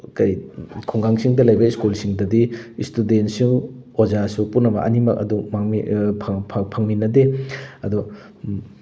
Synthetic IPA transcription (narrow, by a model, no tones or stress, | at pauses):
kɐjkʰɔŋɡaŋsiŋdɐlɐjbɐiskulsiŋdɐdiistudentsiŋozasupunːɐbɐ̰ʔɐ̰nimɐk̚ɐ̰dumaŋḭpʰpʰpʰɐŋminɐdeɐdu